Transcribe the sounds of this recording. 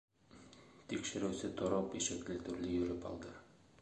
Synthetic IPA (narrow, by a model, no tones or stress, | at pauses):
t̪ikʃɘ̆ɾʉsɘt̪ɒɾɒpiʃɘ̆klɘt̪ɵ̆ɾlɘjɵ̆ɾɘpɒ̰lˠd̪ɤ